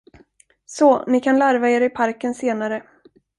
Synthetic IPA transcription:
soːnɪkʰanlaɾvaeːɾɪpʰaɾkənseːnaɾə

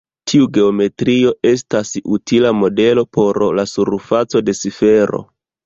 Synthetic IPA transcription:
tʰiuɡe̞ome̞tɾio̞e̞s̬tasutʰilamo̞de̞lo̞pʰo̞ɾlasuɾfat͡so̞de̞sife̞ɾo̞̰

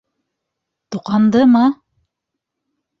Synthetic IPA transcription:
t̪uqɑnd̪ɤmɑ

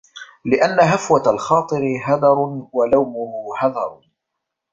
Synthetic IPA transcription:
lɪʔanːaɦafwaalxɑːt̪ˤɨɾɪɦɑd̪ˤɑɾˤwalawmʊhʊhɑd̪ˤɑɾˤ

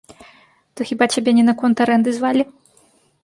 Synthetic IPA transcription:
t̪ɔxʲibat͡ɕʲabʲɛnʲɛnɐkɔnt̪ɐɾɛnd̪ɨzʲvalʲi

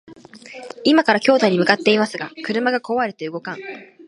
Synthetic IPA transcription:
imakaɾakʲo̞ːd̪aiɲ̟imɯ̟kat̪ːe̞imasɨɡakɯ̟ɾɯ̟maɡako̞βaɾe̞t̪e̞ɯ̟ɡo̞kãŋ

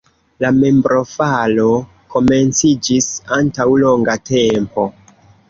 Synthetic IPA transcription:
lame̞mbɾʔo̞falo̞ | ko̞me̞nt͡sid͡ʒisantawlo̞ŋɡate̞mpo̞

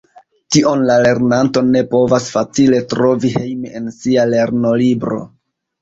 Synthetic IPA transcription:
tiʔo̞nlale̞ɾnanto̞ne̞po̞vasfat͡sile̞tɾo̞vihe̞jmiensiale̞ɾno̞libɾo̞̰

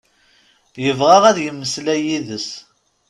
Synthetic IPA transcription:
jəvʁɑʁæðjəmːəslæjiðəs

